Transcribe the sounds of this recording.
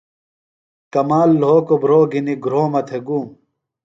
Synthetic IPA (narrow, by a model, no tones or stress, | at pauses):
kɐmaːlːoːkobɾoːɡiniɡɾoːmɐt̪ʰeɡuːm